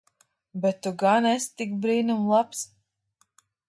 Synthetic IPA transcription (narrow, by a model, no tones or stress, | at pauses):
bɛt̪ːuɡanɛst̪ikbɾiːnumlˠaps